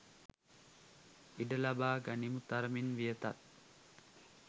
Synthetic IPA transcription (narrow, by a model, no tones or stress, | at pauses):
iɖəlabaːɡanimut̪aɾəminʋijət̪at̪̚